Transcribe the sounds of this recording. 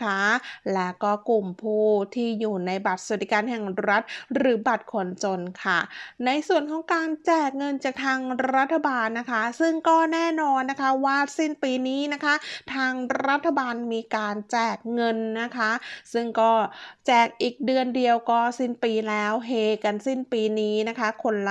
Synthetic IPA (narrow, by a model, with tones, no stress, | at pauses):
kʰa˦˥lɛː˦˥kɔː˥˩ku˨˩mpʰuː˥˩t̪ʰiː˥˩juː˨˩na˧jba˨˩t̪̚sa˨˩t̪ːi˨˦˩kaː˧nɦɛ˨˩ŋɾa˦˥t̪̚ɾɯː˩˦ba˨˩t̪̚kʰo˧nt͡ɕo˧nkʰa̰˥˩na˧jsu˨˩ənkʰɔː˨˩˦ŋkaː˧nt͡ɕɛː˨˩k̚ŋɤ˧nt͡ɕaː˨˩k̚t̪ʰaː˧ŋɾa˦˥t̪ʰːa˧baː˧nːa˦˥kʰa˦˥sɯ˥˩ŋkɔː˥˩nɛː˥˩nɔː˧nːa˦˥kʰa˦˥waː˥˩si˥˩npiː˧niː˦˥na˦˥kʰa˦˥t̪ʰaː˧ŋɾa˦˥t̪ʰːa˧baː˧nmiː˧kaː˧nt͡ɕɛː˨˩k̚ŋɤ˧nːa˦˥kʰa˦˥sɯ˥˩ŋkɔː˥˩t͡ɕɛː˨˩k̚ʔiː˨˩k̚dɯ˧əndi˧əwkɔː˥˩si˥˩npiː˧lɛː˦˥wɦeː˧ka˧nsi˥˩npiː˧niː˦˥na˦˥kʰa˦˥kʰo˧nl